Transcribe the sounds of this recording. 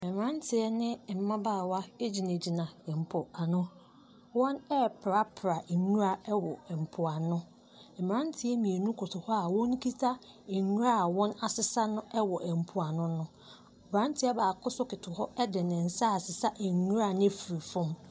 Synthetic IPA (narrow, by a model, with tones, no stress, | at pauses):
ɛ˨m˨ã˦ntʰɪ˨ɛ˦nɪ̃˦m̩˨mã˦baː˦˨wa˦e˦d͡ʑi˨ne˨d͡ʑi˨nã˨ɛ˨m̩˨pʰʊ˨a˨nʊ̃˦ | wɔ̃˦nɛ˦pʰɾa˨pʰɾa˨ɲũ˦ɾa˦ɛ˦wɔ˨ɛ˨m̩˨pʰʊ˨a˨nʊ̃˦ | ɛ˨m˨ɾã˦n˦tʰɪ˨˦ɛ˦mĩ˨e˨nũ˦kʰʊ˨tʰʊ˨hɔ˦a˨wɔ̃˦n˦kʰi˦tʰa˦ | e˨ɲũ˦ɾa˦˨wɔ̃˦na˨sɪ˨sa˦nʊ̃˦ʔɛ˦wɔ˨ʔɛ˨m̩˨pʰʊ˨a˨nʊ̃˦nʊ̃˦˨ | bɾã˦n˦tʰɪ˨˦a˦baː˨kʰʊ˦sʊ˦kɪ˨tʰʊ˨hɔ˦ɛ˦dɪ˨nɪ̃˨n̩˨sa˦a˨sɪ˨sa˦ʔɛ˨ɲu˦ɾa˨ñ˦fi˨ɾi˨fʊ̃˦m